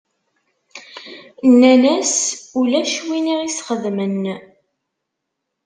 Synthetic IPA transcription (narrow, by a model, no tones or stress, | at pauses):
nːænæsulæʃwiniʁisχəðmən